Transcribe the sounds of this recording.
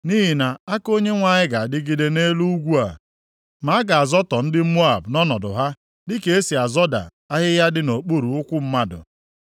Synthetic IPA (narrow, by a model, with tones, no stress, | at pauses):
niː˦ɦi˨na˨a˦ko˦ɲe˦ŋʷa˨ɲɪ˦ɡa˨a˨dɪ˦ɡi˦de˦ne˦lu˦u˦ɡʷu˦a̰˨ | ma˨˦a˦ɡa˨a˨zɔ˦tɔ˨n̩˦dɪ˦mo˦a˨bnɔ˦nɔ˨dʊ̰˨ɦa˦ | dɪ˦ke˨e˦si˨a˨zɔ˦da̰˨ | a˦ɦɪ˦ja˦dɪ˦no˨k͡pu˦ɾu˨ʊ˦kʷʊ˦m̩˦ma˦dʊ̰˨